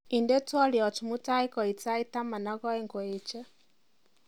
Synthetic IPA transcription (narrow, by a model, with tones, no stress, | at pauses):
i˨nde˦twɔ˦ljɔ˨tu˨mu˦ta˦i˦kɔ˨i˨t͡sa˦i˦ta˦ma˨na˦ɣɔ˦e˦ŋɡɔ˨e˨t͡ʃɛ˦